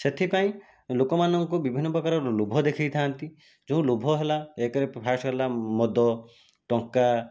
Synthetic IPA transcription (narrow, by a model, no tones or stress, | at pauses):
set̪ʰipaĩ | lukɔmanɔŋkobibʱinːɔpɾɔkaɾɔlubʱɔd̪ekʰijt̪ʰaːnt̪i | d͡ʒoũlubʱɔɦelaekɾeppʰaʃɔɦelamɔd̪ɔ | ʈɔ̃ŋka